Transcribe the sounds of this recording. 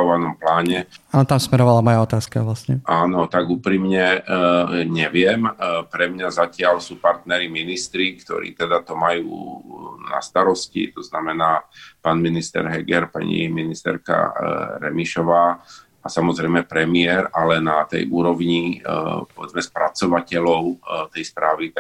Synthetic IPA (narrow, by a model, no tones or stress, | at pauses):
ʋanɔmplaːɲɛanɔt̪amsmɛɾɔʋalamɔjaɔt̪aːskaʋlasɲɛʔaːnɔt̪aɡuːpɾiːmɲɛ | ɲɛʋɪɛmpɾɛmɲazacɪaʎsuːpaɾt̪nɛɾiminist̪ɾikt̪ɔ̰ɾḭːt̪ɛd̪at̪ɔmajṵːna̰st̪aɾɔscḭt̪ɔznamɛnaːpaːnminist̪ɛ̰ɾɦɛɡɛɾpa̰ɲḭminist̪ɛ̰ɾka̰ɾɛ̰miʃɔʋaː | asamɔzɾɛjmɛpɾɛmɪɛɾalɛnat̪ɛ̰jʔuːɾɔʋɲipɔʋɛd͡zmɛspɾʔat͡sɔʋacɛlɔʊt̪ɛjspɾaːʋit̪a